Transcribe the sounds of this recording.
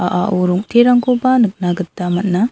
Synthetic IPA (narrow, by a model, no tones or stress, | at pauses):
aʔaʔuɾuŋt̪ʰeɾaŋkobanɯk̚naɡɯtːamɐt̚na